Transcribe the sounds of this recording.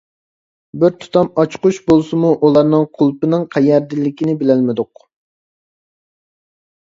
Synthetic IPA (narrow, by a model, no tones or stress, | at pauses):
bɪɾt̪ʰu̥t̪ʰɑmɑt͡ʃqʊʃbolˠsɨmuʔulˠɑɾnɨŋqʰʊlˠpɨnɨŋqʰɛjæɾd̪ɪlːɪkʲinɪbɪlælmɪd̪ʊq